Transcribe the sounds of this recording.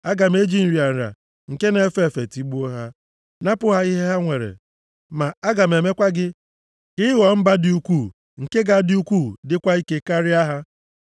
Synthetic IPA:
a˦ɡa˨m˦e˦d͡ʒi˦n̩˨ɾi˨a˨n̩˨ɾa̰˨ | ŋ̩˨ke˦ne˦˨˦fe˦˨fe˨ti˨˦ɡ͡bu˦o˦ɦa˦ | na˦pʊ˦ɦa˦i˦ɦe˦ɦa˦ŋʷe˨ɾḛ˨ | ma˨a˦ɡa˨m˨e˨me˦kʷa˦ɡɪ˦ | kɪ˦wɔ˨m̩˦ba˦dɪ˦u˦kʷu˦˨ | ŋ̩˨ke˦ɡa˦dɪ˦u˦kʷuː˦˨dɪ˦kʷa˦i˦ke˦ka˦ɾɪ˦a˦ɦa˦

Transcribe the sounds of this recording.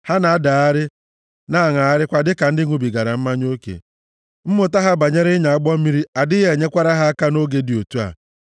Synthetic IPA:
ha˦na˨a˦da˨a˦ɾɪ˦ | na˦a˦˨ŋa˨a˦ɾɪ˦kʷa˨dɪ˦ka˨n̩˦dɪ˦ŋʷu˦bi˨ɡa˨ɾa˨m̩˦ma˦ɲ˦o˦kḛ˨ | m̩˦mʊ˨ta˦ɦa˦ba˨ɲe˦ɾɪ˦ɲa˨a˦ɡ͡bɔ˦m̩˦i˦ɾi˦a˨dɪ˦ɦe˨ɲe˦kʷa˦ɾa˦ɦa˦a˦ka˦no˦ɡe˨di˨o˨tu˦a̰˨

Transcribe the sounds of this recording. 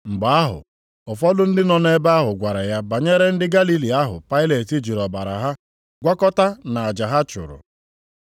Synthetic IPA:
ŋ͡m̩˨ɡ͡ba˨a˦ɦʊ̰˨ | ɔ˨fɔ˦dʊ˦n̩˦dɪ˦nɔ˦n˦e˦ba˦ɦʊ˨ɡʷa˨ɾa˨ja˦ba˨ɲe˦ɾe˦n̩˦dɪ˦ɡa˦li˦li˨a˦ɦʊ̰˨pa˦ɪ˦le˨ti˦d͡ʒi˨ɾɔ˨ba˨ɾa̰˨ɦa˦ | ɡʷa˦kɔ˦ta˦na˨a˨d͡ʒa˨ɦa˦t͡ʃʊ̰˨ɾʊ̰˨

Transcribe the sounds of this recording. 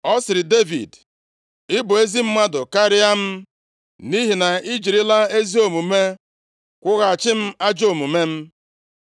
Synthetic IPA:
ɔ˦sɪ˨ɾɪ˨de˦vḭ˨d | ɪ˦bʊ˨e˦zi˦m̩˦ma˦dʊ˨ka˦ɾɪ˦a˦m̩˦ | ni˦ɦi˨na˨i˦d͡ʒi˨ɾɪ˦la˦e˦zi˦o˨mu˨me˦ | kʷʊ˦ɣa˨a˨t͡ʃɪ˦m̩˦a˦d͡ʒo˦˨mu˨me˦m̩˦

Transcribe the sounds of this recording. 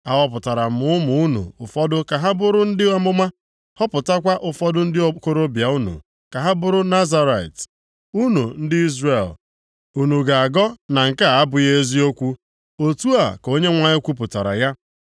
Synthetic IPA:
a˨ɦɔ˦p̬ʊ˨ta˨ɾa˨m̩˨ʊ˦mʊ˨˦u˦nṵ˨ʊ˨fɔ˦dʊ˦ka˨ɦa˦bʊ˦ɾʊ˦n̩˦dɪ˦a˦˨mʊ˦ma˦ | hɔ˦pʊ˨ta˦kʷa˦ʔʊ˨fɔ˦dʊ˦n̩˦dɪ˦ko˦ɾo˦bja˨u˦nṵ˨ | ka˨ɦa˦bʊ˦ɾʊ˦na˦za˦ɾa˨t | u˦nu˨n̩˦dɪ˦i˦zre˨l | u˨nu˨ɡa˨a˨ɡɔ˦na˨ŋ̩˨ka˦a˦bʊ˨je˦zi˦o˦kʷu˦ | o˨tu˦a̰˨ko˦ɲe˦ŋʷa˨ɲɪ˦kʷu˦p̬ʊ˨ta˨ɾa̰˨ja˦

